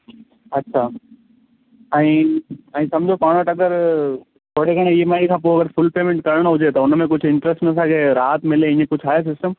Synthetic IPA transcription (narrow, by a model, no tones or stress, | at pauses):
ɐtːʃʰaː | ɛ̃ĩːɛ̃ĩːsɐmd͡ʑʱopaːɽ̃oʈɐɡəɾ | t̪ʰoːɽekəɽ̃ẽiemaːĩkʰãp̬oːɐɡəɾfʰʊlpeːmẽɳʈkɐɾɽ̃ɦʊd͡ʑet̪ɐʊnmẽk̬ʊt͡ɕʰɪ̃ɳʈɾəsʈnɐs̬ãkʰeɾaːt̪mɪleɪ̃ɲẽkʊt͡ʃʰaːes̬ɪsʈəm